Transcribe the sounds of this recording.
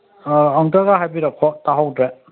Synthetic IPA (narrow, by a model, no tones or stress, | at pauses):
aŋtaɡaɦajbiɾakʰːɔtaɦawdɾɛ